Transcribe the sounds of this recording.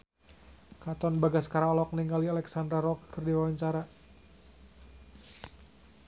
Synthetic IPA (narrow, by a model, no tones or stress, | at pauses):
kat̪ɔnbaɡasə̥kaɾaɔlɔk̚niŋɡalialɛksandɾaɾɔkkɨrdiwawaɲt͡ʃaɾa